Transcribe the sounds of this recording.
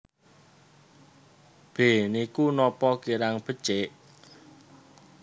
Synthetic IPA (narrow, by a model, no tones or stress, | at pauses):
b̥e̤nikunɔpɔkiɾaŋb̥ə̤t͡ʃeʔ